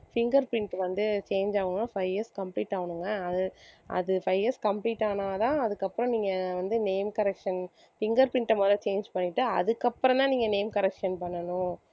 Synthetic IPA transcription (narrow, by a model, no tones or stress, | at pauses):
fɪŋɡɐɾpɪɳʈʋɐnd̪ɯt͡ʃeːnd͡ʒaːʋɐɳɯnːaːfɐɪɛskɐmpliːʈːaːʋɐnɯŋɡɐɐðɯʔɐ̰ðɯfɐɪɛskɐmpɭiːʈːaːnaːt̪ãːɐðɯkːɐpːɯɾɔ̃niːŋɡɐʋɐnd̪ɯneɪmkɐɾɛkʂɐn | fɪŋɡɐɾpɪɳʈːɐmɐːd̪ɾɐ̃t͡ʃeːnd͡ʒpɐɳːɪʈːɯɐ̰ðɯkːɐpːɯɾɔ̃t̪ãːniːŋɡɐneɪmkɐɾɛkʂɐnpɐɳːɐnʊ̃